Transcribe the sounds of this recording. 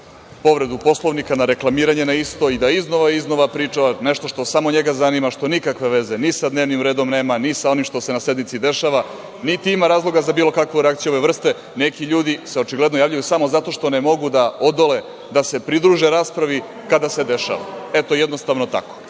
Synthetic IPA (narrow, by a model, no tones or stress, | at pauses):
po̞ʋɾe̞d̪upo̞slˠo̞ʋnikanaɾe̞klˠamiːɾaɲe̞naist̪o̞id̪aizno̞ʋaizno̞ʋapɾiːt͡ʂaaneʃt̪o̞ʃt̪o̞samo̞ɲe̞ɡazanimaʃt̪o̞nikakʋe̞ʋe̞ze̞nisad̪neʋnimɾe̞ːd̪o̞mne̞ːmanisao̞nimʃt̪o̞se̞nased̪nit̪sid̪e̞ʃaʋa | nit̪iimaɾaːzlˠo̞ɡazabiːlˠo̞kakʋuɾeakt̪sijuoʋeʋr̩st̪e̞ | ne̞kiʎuːd̪iseo̞t͡ʃiɡled̪no̞jaːʋʎujusamozat̪o̞ʃt̪o̞ne̞mo̞ɡud̪aod̪ole̞ | d̪ase̞pɾid̪ɾuːʒe̞ɾaːspɾaʋi | kad̪ase̞d̪e̞ʃa̰ʋa̰et̪oejed̪no̞st̪aʋno̞t̪a̰ko̥